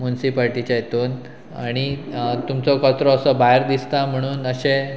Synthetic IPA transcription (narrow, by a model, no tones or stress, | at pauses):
munsipaɾʈit͡ɕajet̪oːn | aɽ̃it̪umt͡sɔkɔt̪ɾɔːsɔbaɦjɾd̪ist̪am̤əɽ̃uːnəɕẽ